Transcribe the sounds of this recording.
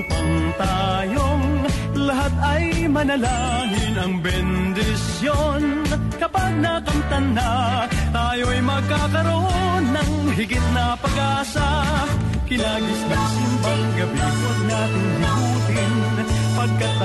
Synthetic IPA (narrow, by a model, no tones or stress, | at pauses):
ŋt̪a | joŋ | lɐɦat̪̚ɐjmɐnɐlaŋɪnɐŋbɛnd̪ɪsjon | kɐpaɡ̚nɐkɐmt̪ɐnːat̪aːjoɐjmɐɡ̚kːakɐɾonːɐŋɦɪɡɪt̪̚nɐpɐɡaːsa | kɪnaːɡɪslasɪnpɐŋɡɐbiːtonat̪ɪŋhɪbuːt̪ɪn | pɐɡ̚kɐt̪̚